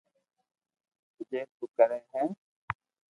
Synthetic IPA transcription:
t̪ʊd͡ʒeːt̪uːkəɾeːɦɛ̃ː

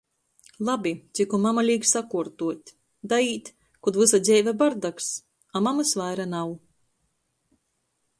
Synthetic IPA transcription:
lˠabʲit̪sʲikumamalʲiːɡsakuɾt̪uɔt̪ʲ | d̪aiːt̪ʲ | kud̪vɨsad̪zʲɛjvʲabaɾd̪aks | amamɨsvajɾanaw

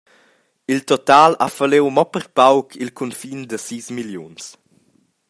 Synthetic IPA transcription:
ilt̪ɔt̪aːlafalewmɔpəɾpawkʰilkʰunfind̪əsiːsmiljuns

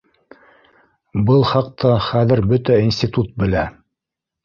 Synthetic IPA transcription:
bɤlˠχɑq̚t̪ʰɑχæðɘ̆ɾbɵt̪æinsʲtʲit̪ut̪̚bɘ̆læ

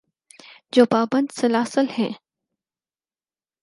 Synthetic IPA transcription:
d͡ʑoːpaːbɐ̃nd̪sɐlaːsəlhḛ̃ː

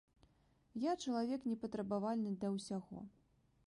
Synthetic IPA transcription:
jat͡ʂɐlˠavʲɛknʲɛpɐt̪ɾɐbavalʲnɨd̪lʲɐwsʲaɣɔ̰

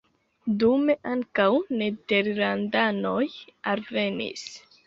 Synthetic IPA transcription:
dume̞ʔaŋkawne̞de̞ɾlandano̞jalve̞nḭs

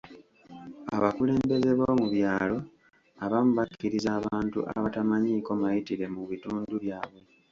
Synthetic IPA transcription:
a̰βakule̞ːmbe̞ze̞βoːmuβjaːlo̞ | aβamuβakːiɾizaːβaːntṵʔa̰βatamaɲiːko̞majitiɾe̞muβituːnduβjaːβwe̞

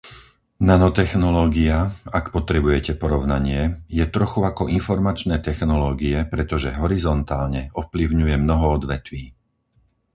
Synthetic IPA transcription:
nanɔt̪ɛxnɔlɔːɡiaakpɔt̪ɾɛbujɛcɛpɔɾɔʊnaɲɪɛjɛt̪ɾɔxuakɔʔinfɔɾmat͡ʃnɛːt̪ɛxnɔlɔːɡiɛpɾɛt̪ɔʒɛɦɔɾizɔnt̪aːlɲɛɔfpliʊɲujɛmnɔɦɔɔd̪ʋɛt̪ʋiː

